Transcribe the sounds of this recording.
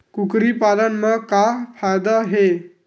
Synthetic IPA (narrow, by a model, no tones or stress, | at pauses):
kukɾiːpalənməɡkafajd̪aɦe